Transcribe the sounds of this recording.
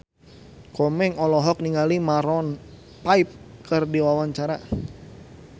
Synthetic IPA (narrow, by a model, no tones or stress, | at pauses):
kɔmɛŋɔlɔɦɔk̚niŋalimaɾɔn | paip̚kərdiwawaɲt͡ʃaɾa